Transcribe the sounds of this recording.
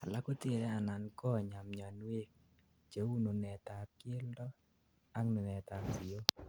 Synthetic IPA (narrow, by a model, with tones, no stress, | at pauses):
a˨la˦ko˦t̪e˦˨ɾɛ˦a˨na˨nkɔ˦˨ɲa˨mɲa˨nwe˦k̚ | d͡ʒe˨˦wu˦no˨nɛ˨t̪a˨kɪ˦e˦ldɔ˦ | a˦ŋno˨nɛ˨t̪a˨sɪ˨o˦